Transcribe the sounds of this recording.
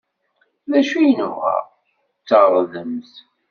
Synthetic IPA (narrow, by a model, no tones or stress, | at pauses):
ðæʃujnuʁæ̰ʁ | t͡sːəʁɾˤðəmθ